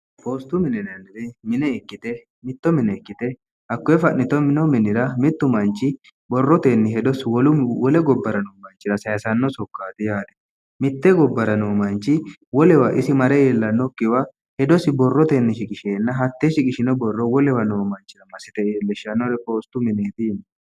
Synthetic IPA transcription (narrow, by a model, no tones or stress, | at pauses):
poːst̪ʊmɪnɛnɐnːɪɾɛmɪnɛɛkːɪt̪ɛ | mɪt̪ːɔmɪnɛɛkːɪt̪ɛ | hɐkːɔɛfɐʔnːɪt̪ɔmɪnɔmɪnɪɾɐmɪt̪ːʊmɐnt͡ʃːɪ | bɔrːɔt̪enːɪɦɛd̪ɔswɔlʊwɔlɛɡɔbːɐɾɐnoːmɐnt͡ʃːɪɾɐsɐjɐsɐnːɔsɔkːaːt̪ɪjaːd̪ɛ̥ | mɪt̪ːɛɡɔbːɐɾɐnoːmɐnt͡ʃːɪ | wɔlɛwɐʔɪsɪmɐɾɛeːlːɐnːɔkːɪwɐ | hɛd̪ɔsɪbɔrːɔt̪enːɪʃɪkʼɪʃeːnːɐɦɐt̪ːeʃɪkʼɪʃɪnɔbɔrːɔwɔlɛwɐnoːmɐnt͡ʃːɪɾɐmɐsːɪt̪ɛeːlːɛʃːɐnːɔɾɛpʼoːst̪ʊmɪneːt̪in